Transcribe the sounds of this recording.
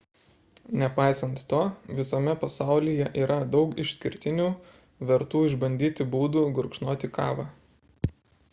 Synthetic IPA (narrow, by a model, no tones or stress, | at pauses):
nʲɛpɑɪsɐnt̪ːoːʋʲɪsɐmʲɛpɐsɑˑʊlʲijɛʔiːɾɐd̪ɒʊkɪʃʲsʲkʲɪɾʲt̪ʲɪnʲuː | ʋʲɛɾt̪uːɪʒbɐnʲd̪ʲiːt̪ʲɪbuːd̪uːɡʊɾkʃnoːt̪ʲɪkɑ̰ːʋɑː